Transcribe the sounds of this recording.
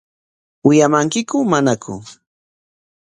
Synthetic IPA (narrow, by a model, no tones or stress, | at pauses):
wɪjamaŋkɪkʊmanakʊ̰